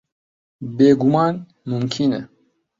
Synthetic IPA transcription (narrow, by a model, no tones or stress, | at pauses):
beːɡumɑːn | mumkʰinɛ